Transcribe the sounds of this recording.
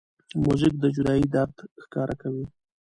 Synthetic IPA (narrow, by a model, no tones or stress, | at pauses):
muzɪk̚d̪əd͡ʒʊd̪ɑjid̪aɾd̪xkɑɾʔakawi